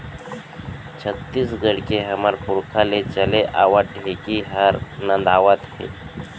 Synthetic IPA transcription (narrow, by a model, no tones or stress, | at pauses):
t͡ʃʰət̪ːiːsɡəɽkeɦəməɾpʊɾkʰalet͡ʃəleʔaːʋəɖʱekiɦəɾnə̃nd̪aːʋət̪hḛː